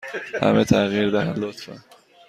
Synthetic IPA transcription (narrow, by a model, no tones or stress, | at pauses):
hæ̰met̪ʰæɣiɾd̪æhælot̪fæ̰